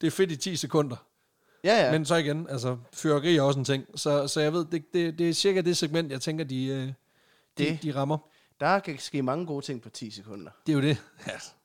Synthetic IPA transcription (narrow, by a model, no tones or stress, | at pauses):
d̥e̝ɐfe̝d̥it͡sʰḭːsekʰɔ̽n̰d̥ɐ | æmens̬ɒ̽iɡ̥enæls̬ɐføɐɡ̥ʁḭːɐɒ̽s̬ent͡sʰeŋ̰sɒ̽sɒ̽jɑ̈ɪʋe̝ð̞̰ˠd̥e̝d̥e̝d̥e̝æɐsiɐɡ̥æd̥e̝seɡ̥men̰d̥jɑ̈ɪt͡sʰeŋɡ̥ɐd̥iø | d̥id̥iʁɑ̈mɐ | d̥ɑkʰæsɡ̥e̝̰ːmɑ̈ŋəɡ̥o̝ːt͡sʰe̝ŋ̰pʰɒ̽t͡sʰḭːsekʰɔ̽n̰d̥ɐd̥e̝jod̥e̝æs